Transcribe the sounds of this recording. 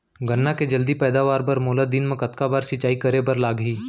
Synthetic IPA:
ɡɐnːaked͡ʒəld̪ipɛːd̪aʋaːɾpɐɾmoːləd̪ɪnmẽkɐt̪kabaːɾsɪt͡ʃaːikɐɾebɐɾlaːɡɦiː

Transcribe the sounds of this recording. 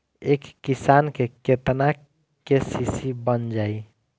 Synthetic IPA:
ekːisankeket̪na | kesisibənd͡ʒai

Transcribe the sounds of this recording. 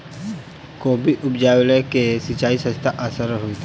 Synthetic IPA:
koːbʱiʔʊpd͡ʒaːwlekesɪt͡ʃaːisə̃st̪ʰaʔəsəɾɦoit̪ʰ

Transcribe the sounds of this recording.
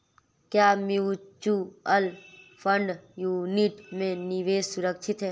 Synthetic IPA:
kjaːmiut͡ʃuɐlpʰəɳɖjuːniʈmẽniʋeːd͡ʒsuɾəkʃʰɪt̪ɦɛː

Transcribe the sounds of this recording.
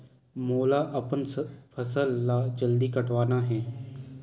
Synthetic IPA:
moːlaʔɐpənpʰəsəlːad͡ʒəld̪ikɐʈʰʋaːnaɦɛ̃ː

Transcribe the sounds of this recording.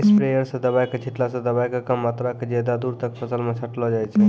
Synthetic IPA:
spɾejəɾsə̃d̪əbajket͡ʃʰiʈlasə̃d̪əbajkekəmːat̪ɾaked͡ʒed̪ad̪uɾt̪ək̚pʰəsəlmesʰəʈlɔd͡ʒajt͡ʃʰɛ

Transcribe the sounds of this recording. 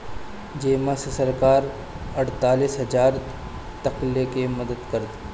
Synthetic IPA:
d͡ʒeːmasesɐɾkaːɾ | ɐɽt̪aːliːsɦɐd͡ʒaːɾ | t̪ɐqlekeməd̪əd̪kɐɾd̪

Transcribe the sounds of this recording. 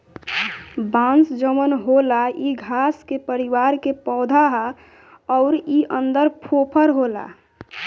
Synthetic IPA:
bãnsd͡ʒəmənɦolaiɡʱaskepəɾiwaɾkepɔːd̪ʱaɦa | ɔʊɾiʔənd̪əɾpʰopʰəɾɦola̰

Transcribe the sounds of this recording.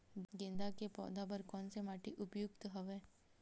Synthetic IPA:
ɡẽːnd̪akepɔ̰ːd̪abəɾkɔːnsemaːʈiʔʊpjʊkt̪ɦɐʋeː

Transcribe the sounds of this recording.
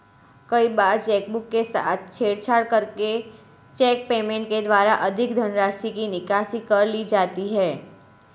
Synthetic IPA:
kəibaɾt͡ʃɛk̚bukːesa̰t̪̚ʰt͡ʃʰeɽt͡ʃʰaɽkəɾke | t͡ʃɛk̚pemẽɳʈ̚ked̪ʋaɾaʔəd̪ʱɪkd̪ʱənɾasikinɪkasikəɾlid͡ʒat̪iɦɛ

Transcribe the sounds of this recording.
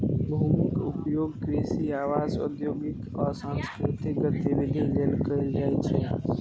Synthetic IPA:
bʱuːmɪkʊpjoːɡkɾeːsiaːʋaːzʊ̰d̪joːɡɪt̪ɔːɾsãːnskɾɪt̪ɪk̚ɡət̪ibɪd̪ʱileːlkəid͡ʒaːɛt͡ʃʰeː

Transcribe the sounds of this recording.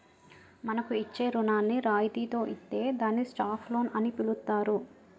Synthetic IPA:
mɐnɐkuit͡ʃːe̞ːɾunaːnːiɾaːjd̪iːt̪o̞ːʔist̪ːe̞ːd̪aːnːisʈaːpʰlo̞ːnɐnipilut̪ːaːɾu

